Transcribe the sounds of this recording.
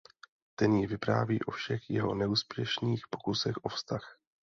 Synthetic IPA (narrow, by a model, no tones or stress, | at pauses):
t̪ɛnjɪvɪpɾa̰ːviːʔo̞fʃɛxjɛɦo̞nɛuːspjɛʃniːxpo̞kusɛxʔo̞fst̪ax